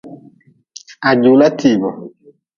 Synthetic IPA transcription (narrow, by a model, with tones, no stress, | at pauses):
a˨d͡ʒu˨la˦tʰi˨bɔ˨